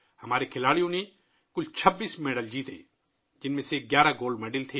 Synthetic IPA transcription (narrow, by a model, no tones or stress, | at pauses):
hɐmaːɾekʰɪlaːɽijõne | kʊlt͡ʃʰɐbːiːsmeːɖəld͡ʒiːt̪ḛː | d͡ʒɪnmẽseɡjaːɾaɡoːlmeːɖəlt̪ʰeː